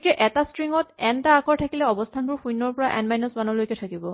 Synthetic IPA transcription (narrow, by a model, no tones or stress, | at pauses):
kɛʔɛtastɹiŋɔtɛntaːkʰɔɹtʰakilɛɔbɔstʰanbʊɹxʰujnɔɹpɔɹaʔɛnmajnɔsmanɔlojkɛtʰakibɔ